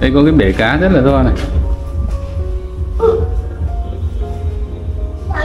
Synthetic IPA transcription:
ʔa˧jkɔ˨˦k̬aː˨˦jɓe˧˨˩kaː˨˦zə˦˥t̚laː˨˩t̪o˧wha˧na˨˩

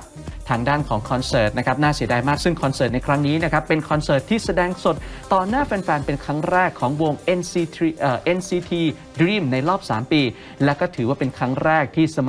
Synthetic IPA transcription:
t̪ʰaː˧ŋdaː˥˩nkʰɔː˩˦ŋkʰɔː˧nsɤː˨˩t̪̚na˦˥kʰa˦˥p̚naː˥˩si˩˦daː˧jmaː˥˩k̚sɯ˥˩ŋkʰɔː˧nsɤː˨˩t̪̚na˧jkʰɾa˦˥ŋniː˦˥na˥kʰa˦˥pːe˧nkʰɔː˧nsɤː˨˩t̪ʰːiː˥˩sa˧dɛː˧ŋso˨˩t̪̚t̪ːɔː˨˩naː˥˩fɛː˧nfɛː˧npe˧nkʰɾa˦˥ŋɾɛː˥˩kʰːɔː˩˦ŋwo˧ŋʔe˧nː˧ʔːʔe˧nsiː˧t̪ʰiː˧ | dɾiː˥˩mna˧jɾɔː˥˩p̚sa̰ː˩˦mpiː˧ | lɛː˦˥wkɔː˥˩t̪ʰɯː˩˦waː˥˩pe˧nkʰɾa˦˥ŋɾɛː˥˩k̚t̪ʰiː˥˩sa˧m

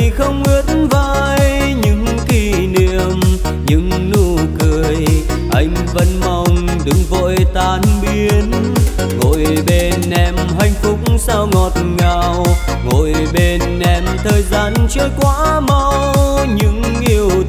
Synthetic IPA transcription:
xə˧wŋ͡mŋi˨˦ət̚nvaː˧˨jj | ɲɨ̰˧˥ŋ | t̪ʰi˧ | nḭ˧˨əm | ɲɨ̰˧˥ŋ | nu˧kɨ˨˩əj | ʔa˧jŋ̟və̰˧˥nma˧˩wŋ͡m | ɗɨ˧˨˦ŋvo̰˧˨jt̪aː˨˩nɓi˧ən | ŋo̰˧˨jɓe˧˩nʔɛ˧˩mɦa˧˩jŋ̟fʊ˨˦˥k͡p̚ŋ͡msaː˧wŋɔ˨˩t̚ŋaː˧˨w | ŋo˧˨j | ɓe˧nʔɛ˧˩mt̪ʰəː˨˩jzaː˧nt͡ɕəː˧˦jkwaː˧˦ma˧wɲɨ̰˧˥ŋ | ʔi˧əw

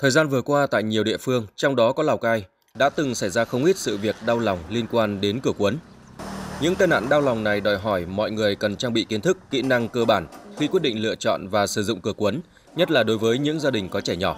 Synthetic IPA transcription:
t̪ʰəː˨˩jzaː˧nvɨ˨˩ət̚kwaː˧t̪a̰ː˧˨jɲi˨˩əwɗḭ˧˨əfɨ˧əŋt͡ɕɔ˧wŋ͡mɗɔ˨˦kɔ˨˦laː˨˩wkaː˧j | ɗa̰ː˧˥t̪ɨ˨˩ŋsa˧˩jzaː˧xə˧wŋ͡mʔi˦˥t̚sɨ̰˧˨vi˨˩ək̚ɗaː˧wla˨˩wŋ͡mli˧ənkwaː˧nɗe˨˦nkɨ˧˩əkwə˨˦n | ɲɨ̰˧˥ŋt̪aː˧jna̰ː˧˨nɗaː˧wla˨˩wŋ͡mna˨˩jɗɔ˨˩jɦɔ˧˩jmɔ̰˧˨jŋɨ˨˩əjkə˨˩nt͡ɕaː˧ŋɓḭ˧˨ki˨˦nt̪ʰɨ˦˥kːḭ˧˥na˧ŋkəː˧ɓaː˧˩nxi˧kwi˦˥t̚ɗḭ˧˨ŋ̟lɨ̰˧˨ət͡ɕɔ̰˧˨nvaː˨˩sɨ˧˩zʊ̰˧˨ŋ͡mkɨ˧˩əkwə˨˦n | ɲə˦˥t̚laː˨˩ɗo˨˦jvəː˨˦jɲɨ̰˧˥ŋzaː˧ɗï˨˩ŋ̟kɔ˨˦t͡ɕɛː˧˩ɲɔ˧˩

